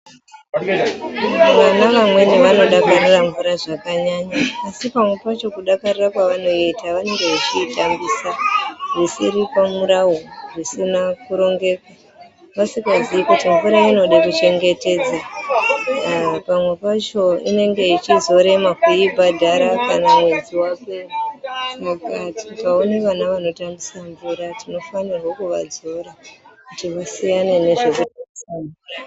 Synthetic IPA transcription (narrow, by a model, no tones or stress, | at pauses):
ʋanaʋamwe̞neʋano̞ɗakaɾiraɱvuɾaʐakaɲaɲaːsipamwe̞pat͡ʃo̞kuɗakarirakwaʋan̤o̞iitaʋane̞ŋɡe̞ʋat͡ʃitambiːsarisiɾipamuɾaworisinakuɾo̞ŋɡe̞ːkwa | ʋasikaziikutiɱvuɾaino̞ɗakut͡ʃe̞ŋɡe̞te̞ːd͡za | pamwe̞pat͡ʃo̞ḭne̞ŋɡe̞it͡ʃizo̞ɾe̞makuibʱadʱaɾakanamwenziwapesakatikao̞neʋanaʋano̞tambisaɱvuɾatino̞fanirwokuʋa̰d͡zo̞ɾakutiʋasijane̞ne̞ʐe̞kutaisaːna